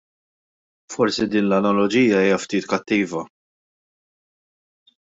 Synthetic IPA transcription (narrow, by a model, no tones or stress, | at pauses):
fɔɾsid̪iːnlɐnɐlɔd͡ʒiːjɐiːjɐft̪iːt̪kɐt̪ːiːvɐ